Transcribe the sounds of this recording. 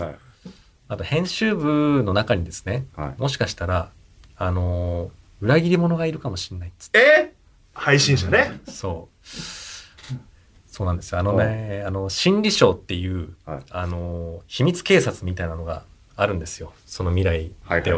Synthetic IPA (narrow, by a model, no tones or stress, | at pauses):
at̪o̞hẽ̞ɰ̃ɕɨːbɯ̟no̞nakaɲ̟id̪e̞sɨ̥ne̞mo̞ɕ̬i̥kaɕi̥t̪aɾaː | no̞ | ɯ̟ɾaɡʲiɾʲimo̞no̞ɡaiɾɯ̟kamo̞ɕi̥nːaiɨ̥e | haiɕĩɕoneso̞ː | so̞ːnãnd̪e̞sɨjoano̞neano̞ɕĩnɾʲiɕo̞ːt̪ːe̞jɯ̟ːano̞çimʲit͡sɨ̥ke̞ːsat͡sɨmʲit̪ainano̞ɡa̰ | aɾɯ̟̃nd̪e̞sɨjo̞ | so̞no̞mʲiɾaid̪e